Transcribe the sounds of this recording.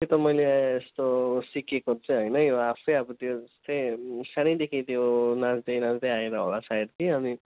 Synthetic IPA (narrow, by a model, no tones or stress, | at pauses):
jot̪ʌmʌjleːst̪osikekot͡sʌjɦʌjnʌjoapʰɾʌjabut̪jod͡zʌst̪ʌjsaɽ̃id̪ekʰit̪jonad͡zd̪ʌjnad͡zd̪ejaeɾaɦo̰lasaid̪kiʌmi